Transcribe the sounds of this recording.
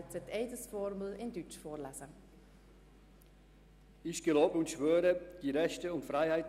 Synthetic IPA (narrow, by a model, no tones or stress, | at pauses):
t͡sɛteɪdəsfɔɾməlɪndyt͡ʃfɔːɾlasə | ɪʃɡ̥əloːbəʊntʃvøːɾəd̥iːɾɛʃtəʊntfʁaɪhaɪt